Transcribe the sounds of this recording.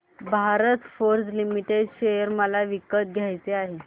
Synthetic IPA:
bʱaɾət̪foɾslimiʈeɖɕejəɾməlaʋikət̪̚ɡʱjajt͡seaɦe

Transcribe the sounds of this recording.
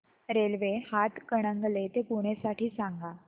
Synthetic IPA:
ɾelʋehat̪kəɽ̃əŋɡlet̪ekuɽ̃esaʈʰiːsaŋɡa

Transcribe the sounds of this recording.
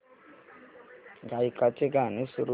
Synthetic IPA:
ŋɡaikatʼikʼanesiɾu

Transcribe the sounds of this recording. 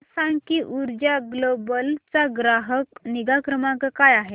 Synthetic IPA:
sãŋɡkiʔuɾd͡ʑaɡlobəlt͡saɡɾaɦəkniɡakɾəmãkəkajaɦe

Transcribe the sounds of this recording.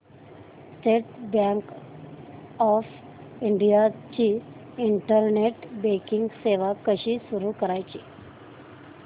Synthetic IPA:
sʈeʈbaŋk | ɔf | iɳɖijat͡ɕiː | ɳʈəɾneʈbekiŋɡseʋakəɕiːsuɾukəɾajt͡ɕi

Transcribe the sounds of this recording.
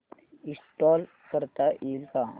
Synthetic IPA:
isʈɔl | kəɾt̪aʔilka

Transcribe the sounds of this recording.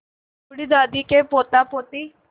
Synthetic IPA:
uɽid̪ad̪ikepot̪apot̪i

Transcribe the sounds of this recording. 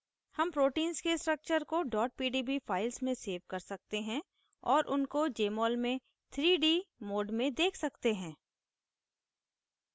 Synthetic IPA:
hɐmpɾoːʈiːnzkesʈɾək̚t͡ʃəɾkoɖɔːʈ̚piːɖiːbifʰaːɪlsmẽseːʋkɐɾsɐk̚t̪eɦɛ̃ | ɔːɾʔʊnkod͡ʒeːmɔːlmẽ | t̪ʰɾiːɖiːmoːɖmẽd̪eːkʰsɐkt̪eɦɛ̃ː

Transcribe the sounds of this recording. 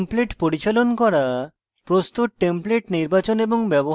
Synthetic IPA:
mpleʈpoɾit͡ɕalonkɔɾa | pɾost̪uʈ̚ʈempleʈniɾbat͡ɕoneboŋbɛboɦ

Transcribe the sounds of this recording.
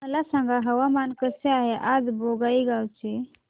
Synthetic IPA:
mɐlasãŋɡaɦɐwamaːnkəseaːɦeʔad̪boɡaːiɡawt͡ʃʰe

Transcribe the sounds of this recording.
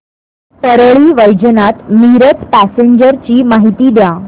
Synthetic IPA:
p̪əɾəɭiːʋəjd͡ʑənat̪miɾət̪ʰpæseɲd͡ʑəɾt͡ɕiːmaɦit̪iːd̪ja

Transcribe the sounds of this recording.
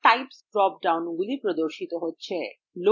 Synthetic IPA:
ʈajpsɖɾɔp̚ɖawnɡulipɾod̪oɾʃit̪oɦotːɕʰe | lo

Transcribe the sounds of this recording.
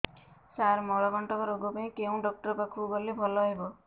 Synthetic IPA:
saɾmɔɭɔkɔɳʈɔkɔɾoɡɔpaĩkeũɖɔk̚ʈɔɾɔpakʰubɔlibʱɔlɔɦebɔ

